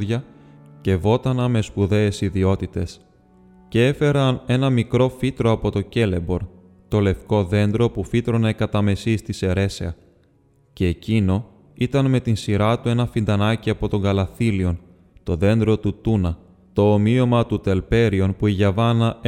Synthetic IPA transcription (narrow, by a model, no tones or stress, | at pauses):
ðʝɐce̞vo̞t̪ɐnɐme̞spuðe̞ːsiðio̞t̪it̪e̞s | ce̞e̞fe̞ɾɐne̞nɐmikɾo̞fit̪ɾo̞ɐpo̞t̪o̞ce̞le̞bo̞ɾ | t̪o̞le̞fko̞ðe̞nd̪ɾo̞pufit̪ɾo̞nɐekɐt̪ɐme̞sist̪ise̞ɾe̞seɐ | ce̞ːcino̞ | it̪ɐnme̞t̪insiɾɐt̪ue̞nɐfind̪ɐnɐciɐpo̞t̪o̞ŋɡɐlɐθilio̞n | t̪o̞ðe̞nd̪ɾo̞t̪ut̪unɐ | t̪o̞ːmio̞mɐt̪ut̪e̞lpe̞ɾio̞npuiʝɐvɐnɐ